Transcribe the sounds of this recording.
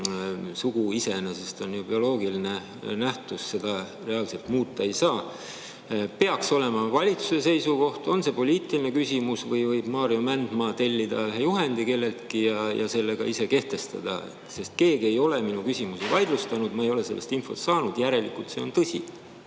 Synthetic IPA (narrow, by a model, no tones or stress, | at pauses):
suɡ̥uise̞nese̞st̪o̞njub̥io̞lo̞ːɡiline | næht̪usse̞d̪̥ɑ | re̞ɑlse̞lt̪muːt̪ˑːɑe̞jsɑː | pe̞ɑkso̞le̞mɑvɑlʲit̪su̥se̞se̞jsuko̞ht̪o̞nse̞po̞lʲiːt̪ːˑiline̞kysʲimusvɤjvɤjb̥mɑːɾiomænd̪̥mɑt̪e̞lʲːid̪ɑleɦejuɦe̞nd̪ike̞lːe̞lt̪kijɑjɑ̰se̞lːe̞ɡ̥ɑise̞ke̞ht̪e̞st̪ɑ̰d̪̥ɑ̰ | se̞st̪̚ke̞ːɡie̞jo̞le̞minukysʲimusivɑjd̪̥lust̪ɑnud̪̥mɑejo̞le̞se̞lːest̪info̞st̪sɑːnud̪̥jæɾe̞lḭkult̪se̞o̞nt̪ɤsʲḭ